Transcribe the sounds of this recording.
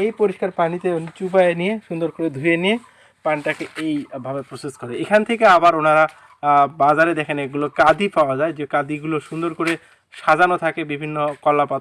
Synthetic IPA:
ejpoɾiʃkaɾpanit̪eont͡ɕubaenijeʃund̪oɾkoɾed̪ʱujenije | panʈakeejbʱabepɾoseskɔɾeekʰant̪ʰekeabaɾonaɾa | bad͡ʑaɾed̪ɛkʰeneɡulokad̪ipaoad͡ʑaed͡ʑekad̪iɡuloʃund̪oɾkoɾe | ʃad͡ʑanot̪ʰakebibʱinːokɔlːapat̪

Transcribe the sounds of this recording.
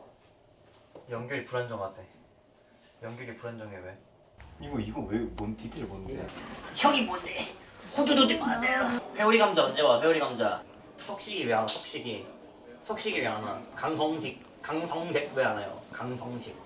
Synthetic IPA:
jʌŋɡjoɾipuɾand͡ʑʌŋatʰe | jʌŋɡjʌɾipuɾand͡ʑʌŋewe | iɡoiɡʌwemontʰidʰɯɾbonɯndḛçjʌɡibondehodudotɯk̚oadejopʰe̞uɾiɡamd͡ʑaʌd͡ʑewaɸʰe̞uɾiɡamd͡ʑa | sʰʌk̚ɕ͈iɡiweɦanasʰʌ̥k̚ɕ͈iɡi | sʰʌk̚ɕ͈iɡiweɦana̰kaŋsʰʌŋɕʰik̚ | kaŋsʰʌŋdek̚weɦanajo̰kaŋsʰʌŋɕʰik̚

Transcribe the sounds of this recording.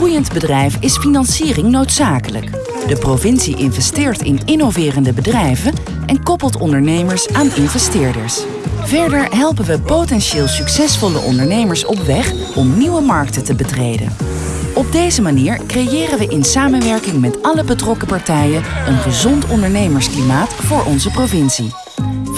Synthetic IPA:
ujəndbədrɛjfɪsfinɑnsiːrɪŋnowtsaːkələ̰k | dəprovɪnsiʔɪnvɛstɪːɹtɪnɪnovɪːrəndəbədrɛjvən | ʔɛnkɔpəlˠtɔndəɹnejməɹsaːnɪnvɛstɪːɹdə̰ɹs | v̥ɛɹdəɹɦɛlˠpənʋəpotɛnʃeːlˠsyksɛsfɔlə̰ʔɔ̰ndəɹnejməɹsɔpʋɛχ | ɔmniwəmɑɹk̚tətəbətrejdə̰n | ɔb̚dejzəmaniːɹkrejɪːrənʋəʔɪnsaːmənʋɛɹkɪŋmɛtɑləbətrɔkəpɑɹtɛjənʔənχəzɔntɔndəɹnejməɹsklimaːtfʊːɹʔɔnzəprovɪnsi

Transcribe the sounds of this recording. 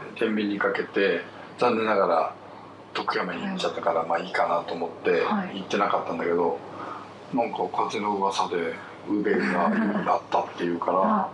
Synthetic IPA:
t̪ẽ̞mbʲiɲ̟ːikake̞t̪e̞ | d͡zãnːe̞naɡaɾa̰ | t̪o̞kɯ̟jamaɲʲiɲit͡ɕat̪ːakaɾamaːiːkanat̪o̞ːmo̞t̪ːe̞it̪ːe̞nakat̪ːãnd̪ake̞d̪o̞ | nãŋkakʰazeno̞ɯβasad̪e̞ | ɯ̟be̞ɡaɾa̰t̪ːat̪ːe̞jɯ̟ːkaɾa

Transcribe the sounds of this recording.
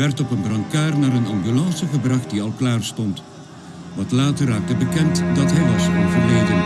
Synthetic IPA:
ʋɛrtɔpənbrɑŋkaːrnaːɾənɑmbylɑnsəχəbrɑχt̚diɑlˠklaːrstɔnt | ʋɑtlaːtərːaːk̚təbəkɛntdɑtɦɛjʋɑsɔnvərlejdən

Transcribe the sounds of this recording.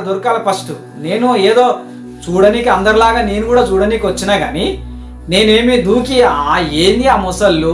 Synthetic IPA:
d̪uɾkaːlɐpɐsʈu | ne̞ːnueːd̪o̞ː | t͡ʃuːɽɐnikiɐnd̪ɐɾilaːɡaːne̞ːnukuːɽaːt͡ʃuːɽɐnikiʋɐt͡ʃːinaːɡa̰ːni | ne̞ːne̞ːmid̪uːkiaːeːnd̪iaːmɔsɐlːu

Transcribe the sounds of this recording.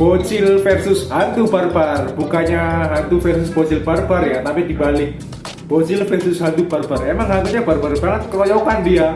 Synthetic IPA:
b̥ot͡ʃɪlfɛrsʊsɦant̪ubarbarbukaɲaɦant̪ufɛrsʊsb̥ot͡ʃɪlbarbarjat̪apidibalɪh | b̥ot͡ʃɪlfɛrsʊsɦant̪ubarbaremaŋɦant̪uɲabarbarbaŋət̪̚kəɾojɔkandia

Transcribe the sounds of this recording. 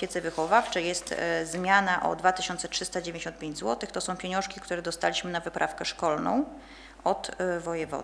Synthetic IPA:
ɛt̪sɛvɘxɔvaft͡ʂɛjɛst̪zmʲjanaʔɔ̰d̪vat̪ɘɕɔnt̪sɛtʂɘst̪ad͡ʑevʲjɲd͡ʑeɕɔnt̪pʲẽɲd͡ʑʲzwɔt̪ɘxt̪ɔsɔ̃w̃pʲjeɲɔ̃w̃ʂkʲikt̪uɾɛd̪ɔst̪alʲiɕmɘnavɘpɾʔafkɛʂkɔlnɔ̰̃w̃ | ɔt̪vɔjɛvɔ̰

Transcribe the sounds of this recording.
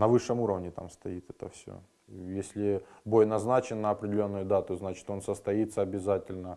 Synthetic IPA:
nɐvɨʂːɨmuɾəvnʲɪt̪a̰mst̪ɐit̪ɛt̪əfsʲo̰ | jesʲlʲɪbo̞jnɐznat͡ɕɪnːəɐpɾʲɪdʲɪlʲo̞nːʊjʊd̪at̪ʊznat͡ɕɪ̥t̪o̞nsəst̪ɐit̪sːəɐbʲɪzatʲɪlʲnə

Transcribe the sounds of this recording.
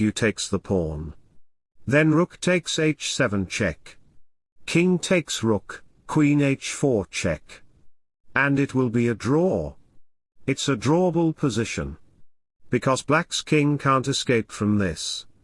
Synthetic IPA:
jɨtʰeɪksðəpʰɔɹn | ðɨ̃nɹʊktʰeɪkseɪt͡ʃsɛvə̃nt͡ʃʰɛ̰kʰ | ɪ̃ŋtʰeɪksɹʊkʰ | w̥ĩneɪt͡ʃfɔɹt͡ʃʰɛ̰k | ɨ̃nɨt̚wɪlˠbiɨdɹɔ | ɨtsɨdɹɔbl̩ˠpʰəzɪʃɨ̰̃n | b̥ɨkʰʌzb̥lækskʰɪ̃ŋkʰæ̃ntɨskeɪpfɹʌ̃mðɪs

